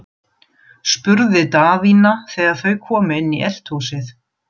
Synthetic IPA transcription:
spʏɾðɪt̪aːvinaθɛːɣaɾ̥θœɥkʰɔːmɪɪnːiʔɛl̥t̪husɪθ

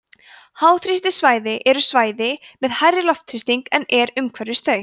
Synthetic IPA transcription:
haːwθɾɪst̪ɪsvaːjðɪʔɛɾʏsvaːjðɪmɛðhajɾɪlɔft̪ʰɾɪst̪iŋkɛnɛɾʏmkʰvɛɾðɪst̪œːɥ

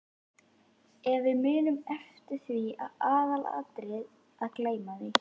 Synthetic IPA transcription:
ɛɾvɪðmɪːnʏmɛft̪ɪɾ̥θvia̰ðaːðala̰t̪ɾɪð | aðkleːjmaðɪ

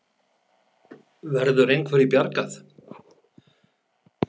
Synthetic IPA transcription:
vɛɾðʏɾejnkʰv̥ɛːɾipjaɾkaθ

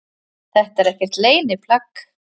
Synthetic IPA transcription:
θɛht̪aɛɾɛhcɛr̥t̪leːjnɪpʰlakː

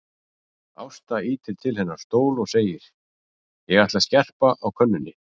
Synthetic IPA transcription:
a̰wst̪aiːt̪ɪlt̪ʰɪlhɛnːaɾ̥st̪oːwlɔɣseːjɪɾ̥ | jɛɣɾaht̪lascɛr̥paʔawkʰœnːʏnːɪ

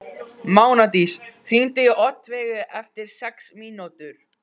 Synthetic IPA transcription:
maːwnat̪isθint̪ɪʔɔt̪ːvɛːɣʏɛft̪ɪɾ̥sɛksmiːnot̪ʏɾ̥

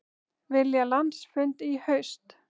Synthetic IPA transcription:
vɪljalant̪sfʏnt̪ihœɥst̪

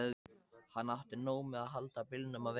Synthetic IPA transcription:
hanːawht̪ɪnoːwmɛðaðɦalt̪apɪlnʏmav

